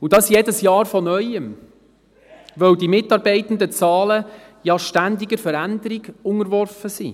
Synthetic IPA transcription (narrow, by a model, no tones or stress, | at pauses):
udɑsjɛdəsjɑːɾfɔnœʏəm | ʋœwdimɪtːɑɾbɛɪt̪ən̩d̪ət͡sɑːlə | jɑʃtænd̪iɡəɾfəɾænd̪əɾiɡ̥ʊŋəɾʋɔrfəsḭː